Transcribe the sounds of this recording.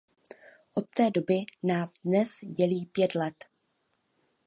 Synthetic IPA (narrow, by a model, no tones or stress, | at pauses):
ʔo̞t̪ːɛːdo̞bɪnaːzdnɛsɟɛliːpjɛt̪lɛt̪